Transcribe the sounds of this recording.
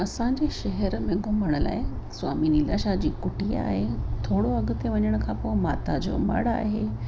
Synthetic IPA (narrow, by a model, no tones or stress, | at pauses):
ɐsãɲd͡ʑeʃɐɦɛɾmẽɡomʱəɽ̃əla̰ːɦeswa̰ːminilɐʃad͡ʑiːkʊʈia̰ːɦet̪ʰoːɽoɐɡʊt̪eʋɐɲəɽ̃əkʰãpoːɪmaːt̪ad͡ʑo̰ːmɐ̰ɽa̰ːɦe